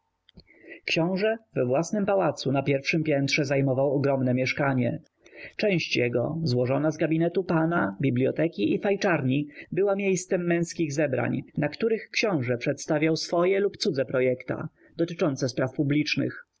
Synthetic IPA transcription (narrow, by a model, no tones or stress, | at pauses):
kɕɔ̃w̃ʐɛvɛvwasnɘmpawat̪sunapʲjɛɾfʂɘmpʲjɛnt̪ʂɛzajmɔvawɔɡɾɔmnɛmʲjɛʂkaɲɛ̰ | t͡ʂɛ̃w̃ɕt͡ɕjɛɡɔ̰zwɔʐɔnazɡabʲinɛt̪upanabʲiblʲjɔ̰t̪ɛkʲiʔifajt͡ʂaɾɲibɘwamʲjejst̪sɛmːɛ̃w̃skʲiɣzɛbɾa̰ɲnakt̪uɾɘxkɕɔ̃w̃ʐɛpʂɛt̪st̪avʲjawsfɔjɛlupt̪sud̪zɛpɾɔjɛkt̪a̰ | d̪̥ɔt̪ɘt͡ʂɔnt̪sɛspɾafpublʲit͡ʂnɘ̰x